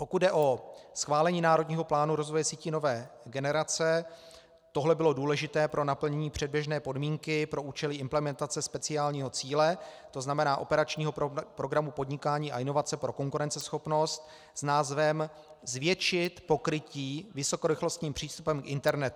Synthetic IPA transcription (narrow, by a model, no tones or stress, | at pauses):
po̞kud̪dɛʔo̞sxvaːlɛɲiːnaːɾo̞dɲiːɦo̞plaːnuɾo̞zvojɛsiːcɪno̞vɛːɡɛnɛɾat͡sɛ | t̪o̞ɦlɛbɪlo̞duːlɛʒɪt̪ɛːpɾo̞napl̩ɲɛɲiːpr̥ɛd̚bjɛʒnɛːpo̞dmiːŋkɪpɾo̞ʔuːt͡ʃɛlɪɪmplɛmɛnt̪at͡sɛspɛt͡sɪaːlɲiːɦo̞t͡siːlɛ | t̪o̞znamɛnaːʔo̞̰pɛɾat͡ʃɲiːɦo̞pɾo̞ɡɾamupo̞dɲɪkaːɲiːʔa̰ʔɪno̞vat͡sɛpɾoko̞ŋkuɾɛnt͡sɛsxo̞pno̞st̪ | snaːzvɛm | zvjɛt͡ʃɪt̪po̞kɾɪciːvɪso̞ko̞ɾɪxlo̞st̪ɲiːmpr̝̥iːst̪upɛmkʔɪnt̪ɛɾnɛt̪